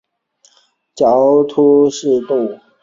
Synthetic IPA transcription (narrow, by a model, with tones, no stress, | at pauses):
t͡ɕjɑ˨˦ʊt̪ʰu˥ʂɻ̩˥˧t̪u˥˨